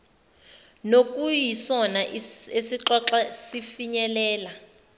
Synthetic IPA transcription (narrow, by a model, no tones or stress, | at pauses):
nok̬ʼujisɔnaʔesiǁɔǁasifiɲɛlɛːla